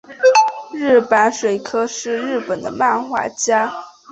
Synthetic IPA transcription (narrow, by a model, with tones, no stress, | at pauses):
ɻ̩˥˩pa˧˥nʂwe˨˩ɪkʰɤ˥ʂɻ̩˥˧ɻɻ̩˥˩pə˨˩nd̪ə̰˦ma˥˧nxwa̰˥˩t͡ɕja˥